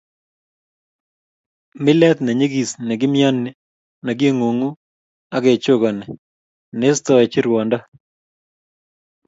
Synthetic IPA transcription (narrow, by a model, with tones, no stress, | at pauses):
mɪ˦lɛ˦t̪nɛ˨ɲe˦ɡi˨snɛ˨ɡɪ˦mɪa˦nːɪ˦˨ | na˨ɡe˦ŋo˨ŋu˦ | a˦ɡe˨t͡ʃo˦ɡɔ˨nɛ˨ | ne˦st̪ɔ˦ɛ˨t͡ʃi˦ɾwɔ˨nda˦